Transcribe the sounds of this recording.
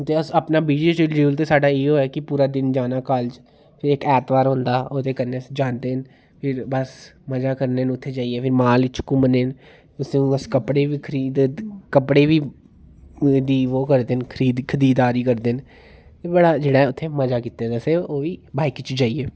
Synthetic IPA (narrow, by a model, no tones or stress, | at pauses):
t̪eːəsəpnaːbiːd͡ʒeəd͡ʒuːlt̪eːsaːɖaːeːɦoːaːkɪpuːɾaːd̪ɪnd͡ʒaːnaːkaːld͡ʒ | pʰɪɾekɛːt̪ʋaːɾɦõːnd̪aːot̪ʰeːkəɾnesd͡ʒaːnd̪eːn | pʰɪɾbəsməd͡ʒaːkəɾneːnʊt̪ʰːeːd͡ʒaːieːpʰɪɾmaːlɪt͡ʃʰkũːməneːn | ʊsẽbəskəpɽeːʋiːkʰəɾiːd̪kəpɽeːʋiː | d̪iːʋoːkəɾd̪eːnkʰəɾiːd̪kʰəd̪iːd̪aːɾiːkəɾd̪eːn | t̪ebəɽaːd͡ʒeːɽaːɦɛʊt̪ʰːeːməd͡ʒaːkiːt̪ːeːd̪aseoːʋiːbaːɪkt͡ʃd͡ʒaːiɛː